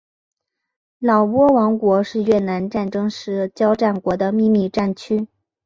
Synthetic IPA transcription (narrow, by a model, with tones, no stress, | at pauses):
lɑ˨˩ʊpwɔ˥wɑ˧˥ŋkwɔ˧˥ʂɻ̩˥˧ɥɛ˥˩na˧˥nʈ͡ʂa˥˩nʈ͡ʂɤ˥ŋʂɻ̩˥t͡ɕjɑ˥ʊʈ͡ʂa˥˩nkwɔ˧˥d̪ə˧mi˥˧mi˥˧ʈ͡ʂa˥˩nt͡ɕʰy˥